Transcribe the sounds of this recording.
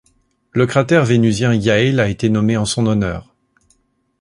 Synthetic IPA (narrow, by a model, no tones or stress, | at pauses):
ləkχat̪ɛʁvenyzjɛ̃jailaet̪enɔmeɑ̃sɔ̃nɔnœːʁ